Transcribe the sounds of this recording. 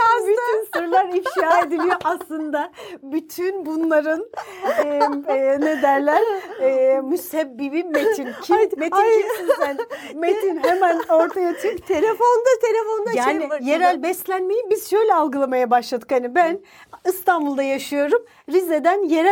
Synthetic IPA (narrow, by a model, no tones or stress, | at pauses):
abyt̪ynsoɾulˠaɾifʃjaːed̪ilʲijoʔaslˠɯnd̪abyt̪ʰynbunlˠaɾɯn | ne̞d̪æɾlʲæɾː | myshɛbːibimet̪ʰincʰimetisinsæn | met̪ʰinɦemæno̞ɾt̪ʰajat̪ʰyɾkt̪ʰelʲefond̪ɯt̪ʰelʲefonnd̪ajaːnije̞ɾælʲbɛslʲænme̞jibizʃø̞jlʲɛalˠɡɯlˠamajabaʃlˠad̪ɯ̥khanibæn | ist̪ʰanbulˠd̪ajaʃɯjo̞ɾum | ɾized̪ænjeɾæ